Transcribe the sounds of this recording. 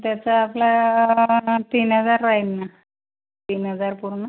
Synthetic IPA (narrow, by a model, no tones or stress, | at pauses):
t̪jat͡saːpla | t̪iːnɦəd͡zaɾːaɦinːa | t̪iːnɦəd͡zaɾpuɾɳə